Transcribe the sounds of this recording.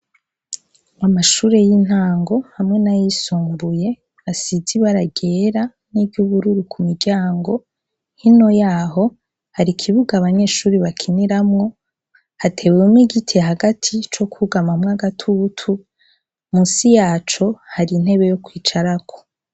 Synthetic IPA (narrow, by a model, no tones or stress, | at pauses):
amaʃuːɾe̞jin̥haːŋɡo̞hamŋenajisuːmbuje̞ | asiziβaɾaɡe̞ɾa | nivɟuːβuɾuɾukʰumiɾɟaːŋɡo̞ | hino̞jaːɦo̞ | haɾikʰiβuɡaːβaɲe̞ːʃuːɾiβakʰiniɾamŋo̞ | hatʰe̞wemŋiɡitʰeɦaɡatʰit͡ʃo̞kuɡamamŋaɡatʰutʰu | muːnsijaːt͡ʃo̞haɾin̥he̞βe̞jo̞kwiːt͡ʃaɾakʰo̥